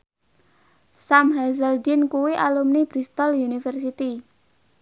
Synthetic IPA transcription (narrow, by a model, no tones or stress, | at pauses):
samɦazəldinkuwiʔalumnib̥ɾist̪ɔljunifərsit̪i